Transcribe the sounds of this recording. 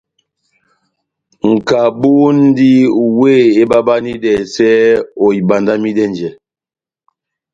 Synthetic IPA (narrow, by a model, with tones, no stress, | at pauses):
ŋ̩˨ka˨bu˦nn̩˦di˦we˦˨e˦ba˦ba˦ni˦dɛ˨sɛ˦o˨i˨ba˨nda˦mi˦dɛ˦nd͡ʒɛ˨